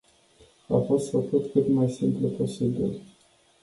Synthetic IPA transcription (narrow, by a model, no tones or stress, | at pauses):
a̰fo̞st̪fakut̪kɨt̪majsimpləpo̞sibḭl